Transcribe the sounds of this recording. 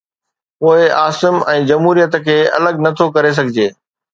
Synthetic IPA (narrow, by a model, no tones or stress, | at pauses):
poːɪʔaːsɪmɛ̃ːd͡ʑɐmɦuːɾijət̪əkʰeːɐ̰ləɡnɐt̪ʰokɐɾes̬ɐɡʱɪd͡ʑeː